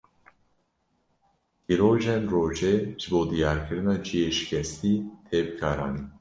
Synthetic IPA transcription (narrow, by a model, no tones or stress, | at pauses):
iɾoːʒɛnroːʒeːʒ̥ɨboːd̪ijɑːɾkʰɨɾɨnɑːd͡ʒijeːʃi̥kʰʲɛst̪iːt̪ʰeːbɨkʰɑːɾɑ̰ːni